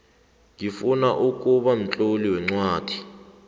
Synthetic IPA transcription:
ŋifunaʔuk̬ʼuɓam̩t͡ɬʼoliwɛŋ͡ǀwaːd̥ʱi̥

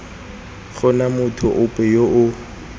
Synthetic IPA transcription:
χʊnamʊtʰʊʔʊpʼɛjoʔʊ

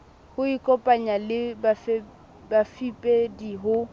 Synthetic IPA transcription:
hʊikʼɔpʼaɲalɪbaf | bafipʼediɦʊ

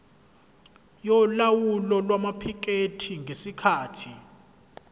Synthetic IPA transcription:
jɔlawulɔlwamapʰik̬ʼetʰiŋɡʱesikʰaːtʰi

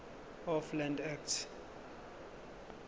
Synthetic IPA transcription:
ɔflãndak̚t

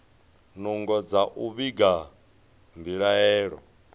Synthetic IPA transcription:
nuŋɡɔd͡zaʔuβiɡa | mbiɺaɛːɺɔ̰

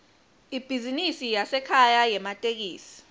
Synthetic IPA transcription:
ib̥ʱizinisijasɛkʰajajɛmatʼek̬iːsi̥

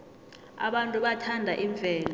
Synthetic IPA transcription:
a̰ɓantʼuɓatʰandʱaʔiɱvʱɛːla

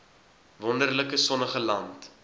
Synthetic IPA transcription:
vɔndərləkəsɔnəχəlɐnt

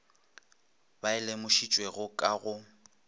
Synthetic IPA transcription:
baɪlemʊʃit͡ʃʼweɣʊkʼaɣʊ

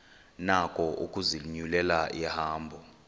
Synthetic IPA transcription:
nakʼɔʔukʼuzilɲulɛlaʔihaːmbʱɔ

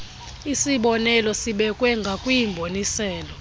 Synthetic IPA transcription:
isiɓɔnɛlɔsiɓɛkʼwɛŋɡʱakʼwijimbʱonisɛːlɔ

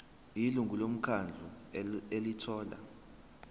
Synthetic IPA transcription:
iluŋɡʱulom̩kʰand͡ɮʱuelitʰɔːla̰

